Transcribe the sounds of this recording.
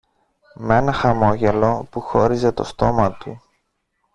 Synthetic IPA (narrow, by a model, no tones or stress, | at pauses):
me̞nɐxɐmo̞ʝe̞lo̞puxo̞ɾize̞t̪o̞st̪o̞mɐt̪u